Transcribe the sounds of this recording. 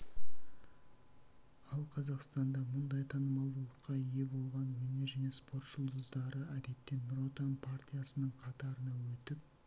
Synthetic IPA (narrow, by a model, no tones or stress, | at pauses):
ɑlˠqʰɑzɑqst̪ɑnd̪ɑmʊnd̪ɑjt̪ʰɑnəmɑlˠd̪əlˠəqːɑije̞bo̞lˠʁɑnwɵne̞ɾʒæne̞spo̞rt̪ʒ̥ʊlˠd̪əzd̪ɑɾəæd̪e̞t̪ːe̞nro̞t̪anpʰart̪ʲijasənəɴqʰɑt̪ɑɾənɑwɵt̪ɪp̚